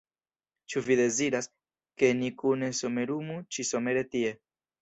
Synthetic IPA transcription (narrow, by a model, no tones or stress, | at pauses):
t͡ʃuviðeziɾas | kenikunesomeɾumut͡ʃisomeɾet̪ie